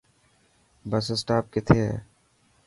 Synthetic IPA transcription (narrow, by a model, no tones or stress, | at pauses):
bɐsəsʈaːp̚ket̪ʰḛ